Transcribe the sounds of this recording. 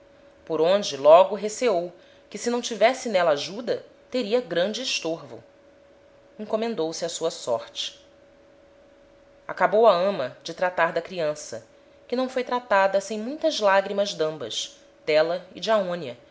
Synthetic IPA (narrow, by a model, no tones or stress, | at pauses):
poɾõnd͡ʒɪlɔɡʊɦeseow | kɪsɪnɐ̃w̃t͡ʃivɛsɪnɛlɐaʒud̪ɐ | t̪eɾiɐɡɾɐ̃nd͡ʒɪːʃt̪oɾvʊ̰ | ĩŋkomẽnd̪owsɪɐsuɐsɔ̰ɾt͡ʃɪ̥ | a̰kabowɐɐ̃mɐd͡ʒɪt̪ɾat̪aɾd̪ɐkɾiɐ̃sɐ̰ | kɪnɐ̃w̃fojt̪ɾat̪ad̪ɐsẽj̃mũj̃t̪ɐzlaɡɾimɐzd̪ɐ̃mbɐ̰ʃ | t̪ɛlɐɪd͡ʒɪaõniɐ